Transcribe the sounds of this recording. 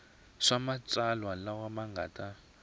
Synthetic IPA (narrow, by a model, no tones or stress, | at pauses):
ʂamat͡salwalawamaŋɡʱa̰tʼa